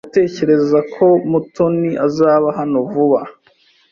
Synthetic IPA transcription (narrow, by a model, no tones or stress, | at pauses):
te̞ːce̞ɾe̞zakʰo̞mutʰoniʔazaːβaɦano̞vuβa